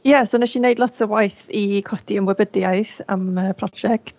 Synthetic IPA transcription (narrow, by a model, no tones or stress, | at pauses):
jasonɛʃinejdˡlˠɔtsəvwajθikʰɔtʰiəmwɛbədjaɨθa̰məːpʰrɔd͡ʒɛkt